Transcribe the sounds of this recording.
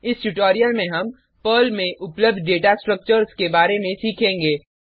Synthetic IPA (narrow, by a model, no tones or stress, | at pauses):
ɪsʈuʈɔːɾijəlmẽɦɐm | pəːlmẽʔʊpləbd̪ʱɖeːʈasʈɾək̚t͡ʃəɾskebaːɾemẽsiːkʰẽːŋɡeː